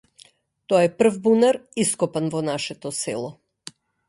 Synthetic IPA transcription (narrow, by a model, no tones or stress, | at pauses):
t̪ɔaɛpr̩vbunaɾiskɔpanvɔnaʃɛt̪ɔsɛ̰lˠɔ